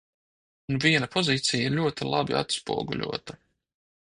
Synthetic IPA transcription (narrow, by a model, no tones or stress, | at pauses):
unviɛnɐpʰɔziːt̪sijaiɾlʲuɔt̪ilˠabḭʔa̰t̪spṵɔɡṵʎʲṵɔt̪a